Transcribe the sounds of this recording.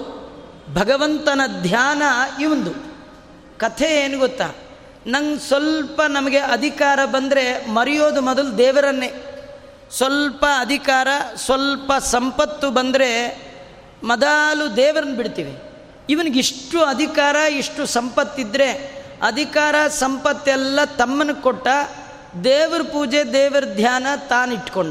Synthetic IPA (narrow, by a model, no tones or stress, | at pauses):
bʱɐɡɐʋɐnt̪ɐnɐd̪ʱjaːnɐiʋɐnd̪u | kɐt̪ʰeeːnuɡot̪ːa̰ː | nɐŋsʋɐlpɐnɐmɐɡe̞ɐd̪ʱikaːɾɐbɐnd̪ɾe̞mɐɾijoːd̪umɔd̪ɐlud̪ɛːʋɐɾɐnːe | sʋɐlpɐːd̪ʱikaːɾɐsʋɐlpɐsɐmpɐt̪ːubɐnd̪ɾe̞ | mɐd̪aːlud̪ɛːʋɐɾɐnːɐbiɽt̪iːʋe | iʋɐniɡiʂʈuɐd̪ʱikaːɾɐiʂʈusɐmpɐt̪ːid̪ːɾe̞ɐd̪ʱikaːɾɐsɐmpɐt̪ːɛlːɐt̪ɐmːɐnːɐkɔʈːɐ | d̪eːʋɐɾɐpuːd͡ʒed̪ɛːʋɐɾɐd̪ʱjaːnɐt̪aːniʈːko̞ɳɖu